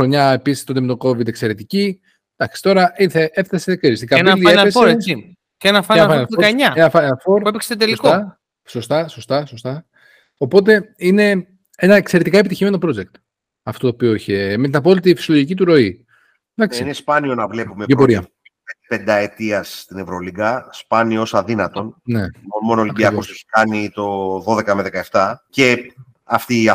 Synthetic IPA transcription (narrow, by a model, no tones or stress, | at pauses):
ɾoɲɐepisi̥st̪ot̪emt̪oko̞vid̪e̞kse̞ɾe̞t̪ici | d̪ɐksi̥t̪o̞ɾɐʔiɾθeʔefθɐsekɾiɾisikɐeiesfoɾeesi | cenɐfɐenɐfɐnɐoɲɐenɐfaeɐfo̞ɾpuepekse̥t̪t̪eliskoɐ | so̞st̪ɐso̞st̪ɐso̞st̪ɐ | o̞po̞t̪̬e̞ine̞ | enɐekseɾet̪ikɐepit̪içime̞no̞pɾod͡ze̞k̚t̪ | ɐft̪o̞t̪opio̞içeme̞t̪inɐpo̞lit̪̬ifisoloʝicit̪̬uɾo̞i | d̪ɐkssiinespɐnio̞nɐvle̞pumeeɾpoɾiɐ̰ | epe̞nd̪ɐe̞t̪iɐsːt̪ine̞vɾoliɡɐspɐniosɐðinɐt̪o̞nne̞onmo̞noliɐibiɐkoseçi̥kɐnit̪o̞ðo̞ðe̞kɐmeðekɐe̞ft̪ɐce̞ | ɐft̪iːɐ